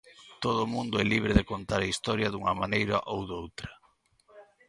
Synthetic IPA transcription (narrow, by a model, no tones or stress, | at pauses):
t̪oð̞ʊmũnd̪oɛliβ̞ɾeðekont̪aɾɐist̪ɔɾjɐðuŋɐmanejɾɐ̰ʔowðowt̪ɾɐ